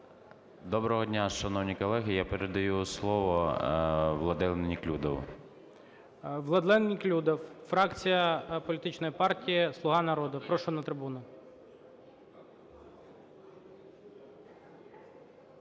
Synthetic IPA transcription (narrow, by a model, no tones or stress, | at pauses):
d̪ɔbɾɔɦɔdʲnʲaʃɐnɔwnʲijkɔlˠɛɦijapeɾed̪ɐjuslˠɔʋɔ | ʋlˠɐd̪ɪlˠɛnnʲiklʲud̪ɔw̰ | ʋlˠɐd̪lˠɛnnʲiklʲud̪ɔwfɾɑkt͡sʲijɐpɔlʲit̪ɪt͡ʃnɔjipɑrtʲijislˠʊɦɑnɐɾɔd̪ʊpɾɔʃɔnɐt̪ɾɪbunʊ